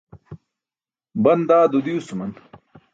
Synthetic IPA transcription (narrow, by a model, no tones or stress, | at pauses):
bɐnd̪aːd̪ud̪iusumɐn